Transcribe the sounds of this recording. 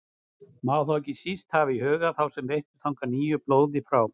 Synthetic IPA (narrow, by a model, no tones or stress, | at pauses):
maːwθɔwcɪsist̪havɪihœːɣaθawsɛmveht̪ʏ̥t̪ʰawŋkaniːjʏploːwðɪfɾaw